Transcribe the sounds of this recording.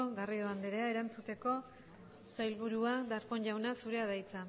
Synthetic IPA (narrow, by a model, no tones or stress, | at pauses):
oɣarioand̪eɾe̞ae̞ɾant͡sut̪e̞ko̞ | sajlβuɾuad̪aɾponʝawnasuɾe̞aðajt͡sa